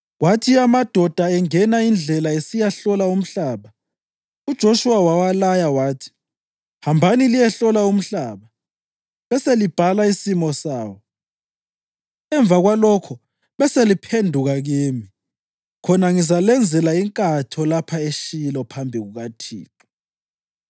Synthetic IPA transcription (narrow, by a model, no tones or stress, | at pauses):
watʰiamad̥ʱɔd̥ʱaɛŋɛnaind͡ɮʱɛlaesijaɬɔlaum̩ɬaːβa | ud̥ʒ̥ʱoʃuwawawalajawaːtʰi̥ | hambʱanilijɛɬɔlaum̩ɬaːβa | βɛselib̥ʱalaisimɔsaːwɔ | ɛɱvʱaɣwalɔkʰɔ | βɛselipʰendʱuɣaɣeːmi | kʰɔnaŋizalɛnd͡zʱɛlaiŋkʼatʰɔlapʰaeʃilɔpʰambʱiɣuɣatʰḭːǁu